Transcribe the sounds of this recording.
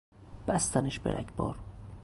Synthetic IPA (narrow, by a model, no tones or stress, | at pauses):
b̥æst̪ʰæneʃbḛɾʔæ̰cʰb̥ɒ̰ːɾ